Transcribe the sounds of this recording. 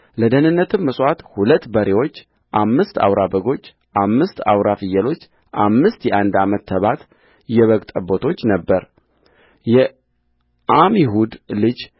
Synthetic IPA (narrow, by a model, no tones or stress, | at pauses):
ləd̪ənɨnːət̪ʰɨmːəsʼwat̪hulət̪ːbəɾewo̞t͡ʃː | ʔamːɨst̪a̰wɾabəɡo̞t͡ʃː | ʔamːɨst̪a̰wɾafɨjːəlo̞t͡ʃː | ʔamːɨst̪jɛʔand̪amət̪ːʰəβat̪ | jɛβəɡt̪ʼəbo̞t̪ʰo̞t͡ʃːnəbːəɾ | jɛ | ʔamiɦud̪lɨd͡ʒ